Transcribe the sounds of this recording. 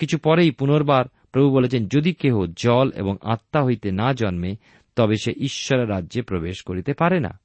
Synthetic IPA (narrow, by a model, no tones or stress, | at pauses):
kit͡ɕʰupɔɾejpunoɾbaɾ | pɾobʱubolet͡ɕʰend͡ʑod̪ikeod͡ʑɔlḛboŋa̰t̪ːaɦojt̪enad͡ʑɔnme | t̪ɔbeʃeʔiʃːɔɾeɾːadːʑepɾobeʃkoɾit̪epaɾena̰